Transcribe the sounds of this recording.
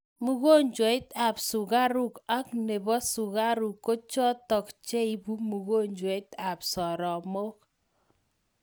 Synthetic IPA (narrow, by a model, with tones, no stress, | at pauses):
mu˦ɣo˦ɲd͡ʒwɪ˦t̪a˨psʊ˨ɡa˦ɾu˦ka˦kne˨bɔ˦sʊ˨ɣa˦ɾu˨kːo˦t͡ʃɔ˦tɔ˨kt͡ʃe˦i˦bu˦mu˨ɣo˦ɲd͡ʒwe˨˦ta˨psɔ˨ɾɔ˨mo˦k̚